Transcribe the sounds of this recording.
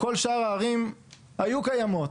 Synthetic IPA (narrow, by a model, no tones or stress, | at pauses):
ko̞lʃaʁaːʁim | hajukajamo̞t